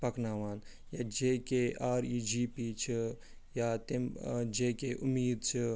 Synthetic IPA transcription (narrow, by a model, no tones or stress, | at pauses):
pɐknaːʋaːn | jaːd͡ʒeːkeʔaːɾiːd͡ʒiːpiːt͡ʃʰi | jaːt̪emd͡ʒekeʔumiːd̪t͡ʃʰi